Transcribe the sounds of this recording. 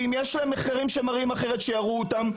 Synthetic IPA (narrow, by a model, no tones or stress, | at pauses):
imjeʃlaemːeχkaʁimʃemaʁimaχe̞ʁet̪ʃejaʁuotam